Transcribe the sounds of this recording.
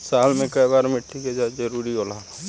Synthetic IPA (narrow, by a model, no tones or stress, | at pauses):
saːlmẽkɐjbaːɾmɪʈʰːiked͡ʒad͡ʒəɾuɾiolala